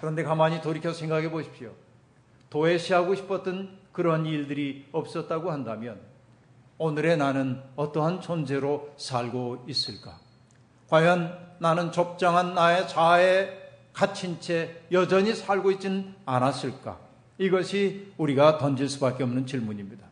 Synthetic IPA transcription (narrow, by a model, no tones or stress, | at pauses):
kɯɾʌnde̞kamaɲitoɾikʰjʌsʰe̞ŋɡaɡe̞boɕʰi̥p̚ɕo | toe̞ɕʰiɦaɡoɕʰi̥pʰʌt͈ʌnkɯɾʌaniɭdɯɾiʌp̚s͈ʌt̚t͈aɡohandamjʌn | onɯɾe̞nanɯnʌt͈ʌɦant͡ɕond͡ʑe̞ɾosʰaɭɡois͈ɯɭk͈a | kwajʌnːanɯnt͡ɕop̚t͡ɕ͈aŋɦanːaet͡ɕae̞ | kat͡ɕʰint͡ɕʰe̞jʌd͡ʑʌɲisʰaɭɡoit̚t͡ɕ͈inɯnanas͈ɯɭk͈a̰ | iɡʌɕʰiuɾiɡatʌnd͡ʑiɭs͈ubak͈eʌmnɯnt͡ɕiɭmuɲimɲid̥a